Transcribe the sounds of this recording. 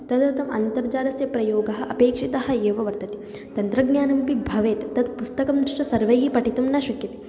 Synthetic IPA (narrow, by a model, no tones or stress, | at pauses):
t̪ɐd̪ɐt̪ɐmʔɐ̰nt̪ɐɾd͡ʒaːɾɐsjɐpɾɐjoːɡɐɦɐ̆ʔɐpeːkʂit̪ɐɦɐ̆eːʋɐʋɐɾt̪ɐt̪i̥ | t̪ɐnt̪ɾɐɡnjaːnɐmpibʱɐʋeːt̪t̪ɐd̪pust̪ɐkɐmd̪ɾiʂʈɐsɐɾʋɐjɡipɐʈit̪umnɐʃɐkjɐt̪i̥